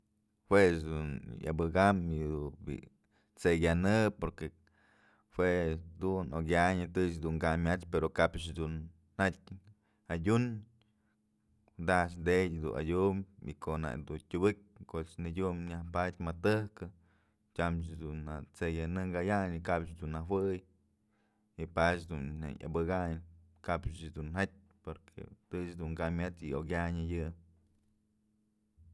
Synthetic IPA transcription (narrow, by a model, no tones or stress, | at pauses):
hwesd̪unja̰bɨɡamid̪ubḭʔ | t͡seɡjanɨpoɾke | hweʔd̪unoɡʲjaɲɨt̪ɨt͡ʃd̪uŋɡamːʲat͡ʃpeɾokapt͡ʃd̪unː | at̚ʲ | adʲun | d̪at͡ʃ̬d̪edʲd̪ṵna̰dʲumḭkoʔna̰ʔd̪utʲubɨk̚ʲkoʔt͡ʃnɨdʲumɲahpadʲmat̪ɨhkɨ | t͡ʃʲamt͡ʃd̪unat͡sejanɨŋɡajaɲikabt͡ʃd̪unːahwɨj | ipat͡ʃd̪unna̰a̰bɨɡaɲ | kabt͡ʃd̪unhat̚ʲ | poɾkʰḛt̪ɨt͡ʃd̪uŋɡamʲat̪ɨoɡʲaɲɨjɨ